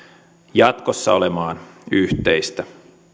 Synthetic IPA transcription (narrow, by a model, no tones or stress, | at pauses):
jɑt̪kosːɑ̰olemɑːnyht̪eist̪æ